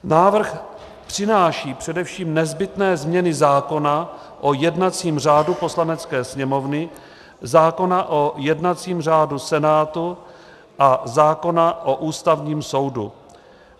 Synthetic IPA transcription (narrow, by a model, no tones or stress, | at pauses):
naːvr̩x | pr̥ɪnaːʃiːpr̝̥ɛdɛfʃiːmnɛzbɪt̪nɛːzmɲɛnɪzaːko̞na | ʔojɛdnat͡siːmr̝aːdupo̞slanɛt͡skɛːsɲɛmo̞vnɪ | zaːko̞naʔojɛdnat͡siːmr̝aːdusɛnaːt̪u | ʔazaːko̞naʔoʔuːst̪avɲiːmso̞wdṵ